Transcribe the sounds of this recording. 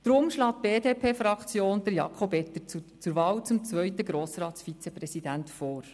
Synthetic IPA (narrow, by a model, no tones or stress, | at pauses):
d̥ɾʊmʃlɑːt̚b̥eːdeːpʰeːfɾɑkt͡sjoːnd̥̪əɾjɑ̰kʰχobɛt̪əɾt͡st͡sʊɾʋɑːwt͡sʊmt͡svœʏtəɡɾoːsrɑːtsfit͡sɛprɛsid̥æntfɔːɾ